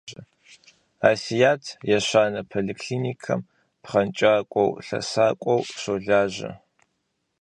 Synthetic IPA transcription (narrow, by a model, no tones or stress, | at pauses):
ɐ | aːsijaːtʰjɛɕaːnɐpʰolikʰɬiːnikʰɐm | pχɐnt͡ʃʼaːkʷʼɔ̰wɬɐ̰saːkʷʼɔwɕoːɮaːʒɐ̰